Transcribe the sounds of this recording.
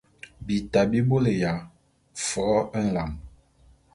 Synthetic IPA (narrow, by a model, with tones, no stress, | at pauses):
bi˨ta˨bi˦bo˦le˨ja˨ | fɔ˨˦e˦n̩˨la˨m